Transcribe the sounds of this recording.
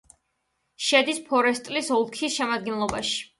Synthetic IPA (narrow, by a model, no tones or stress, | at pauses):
ʃɛd̪ispʰɔɾɛst̪ʼlisɔlˠkʰisʃɛmad̪̚ɡɛnlˠɔba̰ʃi̥